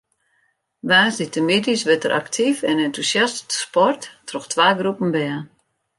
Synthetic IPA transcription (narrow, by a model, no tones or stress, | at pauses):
ʋaːsditəmedisʋɛtəɾʔa̰ktʰifɛnɛntusjastspɔrttrɔxtʰʋaːɡrupən̩bɛə